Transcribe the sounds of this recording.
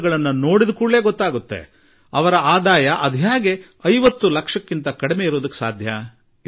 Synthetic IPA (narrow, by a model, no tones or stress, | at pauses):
ɡɐɭɐnːɐno̞ːɽid̪ukuːɭlːeːɡɔt̪ːaːɡut̪ːe̞̰ | ɐʋɐɾɐaːd̪aːjɐʔɐd̪ʱjaːɡe̞ | ɐjʋɐt̪ːulɐkʂɐkːint̪ɐkɐɽime̞iɾoːd̪ɐkːe̥saːd̪ʱjɐ